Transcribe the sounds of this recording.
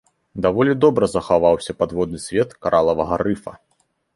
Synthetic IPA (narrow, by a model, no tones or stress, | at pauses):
d̪avɔlʲid̪ɔbɾɐzɐxavawsʲɐpad̪vɔd̪nɨsʲvʲɛt̪kaɾʔalˠɐvɐɣɐɾɨfɐ̰